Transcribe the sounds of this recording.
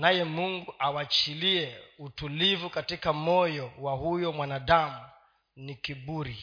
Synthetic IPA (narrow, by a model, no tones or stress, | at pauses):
najɛmuŋɡuʔawat͡ʃiliɛutulivukatikamɔjɔwahujɔmwanaɗamu | nikiɓuɾi